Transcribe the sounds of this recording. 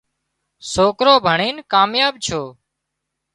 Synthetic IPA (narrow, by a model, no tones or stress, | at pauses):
soːkɾoːbʱəɳiːnkaːmjaːbt͡ʃʰoː